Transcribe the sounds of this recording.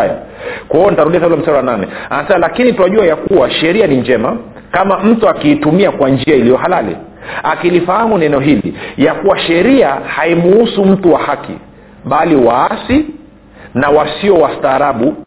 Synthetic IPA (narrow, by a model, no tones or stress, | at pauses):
ja̰kwahiɔnitaɾuɗiasaulam̩saɾɔwananɛ̰anasɛmalakinitwaʄuajakuwaʃɛɾianiɲd͡ʒɛma | kamam̩tuakiːtumiakwand͡ʒiailijɔɦalalḭakilifahamunaɛnɛɔɦilḭjakuwaʃɛɾiahaimuusum̩tuwahakḭ | ɓaliwaasi | nawasiɔwastaːɾaɓu